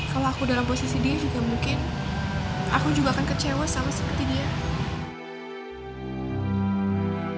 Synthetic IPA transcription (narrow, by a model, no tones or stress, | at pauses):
kaloakudalamposisidiɾid͡ʒuɡamuŋkɪn | ʔakud͡ʒuɡaːkankət͡ʃewasalasəpərt̪idia